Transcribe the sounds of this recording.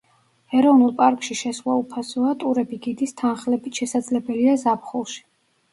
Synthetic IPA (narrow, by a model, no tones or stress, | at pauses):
ɛɾɔvnulˠpʼaɾkʼʃiʃɛswaupʰasɔat̪ʼuɾɛbiɡid̪ist̪ʰanχlɛbit̪ʃɛsad̪zlɛbɛliazapχulˠʃi̥